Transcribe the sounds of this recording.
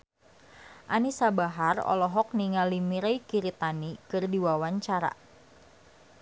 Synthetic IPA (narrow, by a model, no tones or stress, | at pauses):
ʔanisabaɦarɔ̰lɔɦɔk̚niŋalimiɾejkiɾit̪anikɨrdiwawaɲt͡ʃaɾa̰